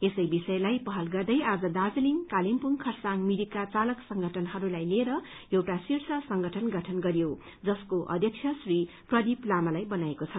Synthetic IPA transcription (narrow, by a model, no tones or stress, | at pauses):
esʌjbisʌjlajpʌɦʌlɡʌrd̪ʌjad͡zʌd̪ad͡zliŋkalimpuŋkʰʌrsaŋmidikːat͡salʌksʌŋɡʱʌʈʰʌnɦʌɾulajleɾʌ | ewʈasirsʌsʌŋɡʱʌʈʰʌnɡʱʌʈʰʌnɡʌɾijo | d͡zʌskoʔʌ̰d̪ʱjʌk̚t͡sʰjʌsri | prʌd̪iplamalajbʌnaekot͡sʰʌ